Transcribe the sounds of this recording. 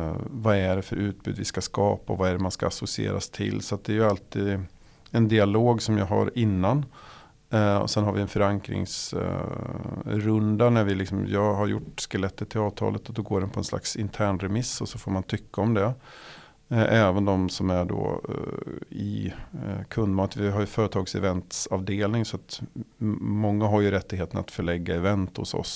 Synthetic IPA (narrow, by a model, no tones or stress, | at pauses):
vaæɖɛfœɾʔʉ̟ːt̪̚bʉːd̪vɪskaskɑːpaɔvaæɖɛmanskaːsʊsɪḛːɾa̰st̪ʰɪ̰lːsɔat̪̚d̪ɛæɾjɵalt̪ʰiːd̪ | ɛnd̪ɪaloːɡsɔmjaɡɦa̰ɾɪnːan | ɔ̰sɛnɦaɾvɪɛnfœɾaŋkɾɪ̰ŋs | ɾɵnd̪anæɾvɪlɪksɔmjɑːɡɦaɾjʊʈːskɛlɛt̪ːəʈ̪ʰːɪlɑːvt̪ʰɑ̰ːlʔət̪ɔd̪ɔɡoːɖɛnpʰɔɛnsla̰ksɪnt̪ʰæːɳɾɛmɪsːɔsɔfoːɾmant̪ʰʏkːaɔmd̪ɛ | ʔɛːvənd̪ɔmsɔmæɖo̰ː | ɪ̰ | kʰɵnd̪mɑːt̪vɪɦaɾjɵfœːɾət̪ʰɑːɡsɛ̰vɛnt̪sɑvd̪eːlnɪŋsɔat̪ | mɔŋːaɦaɾjɵɾɛt̪ːɪɡheːt̪əna̰t̪fœɭɛɡːaɛvɛnt̪hʊ̰sɔ̰s